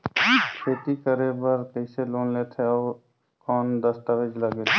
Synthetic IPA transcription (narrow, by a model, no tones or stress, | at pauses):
kʰeːt̪ikəɾebəɾkəɪseloːnleːt̪ʰeɔːɾ | kɔːnd̪əst̪aʋed͡ʒləɡet̪e